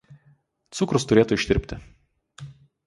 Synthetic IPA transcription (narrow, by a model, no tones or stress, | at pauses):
t̪sʊkɾʊst̪ʊɾʲeːt̪ʊɪʃʲt̪ʲɪɾʲpʲt̪ʲɪ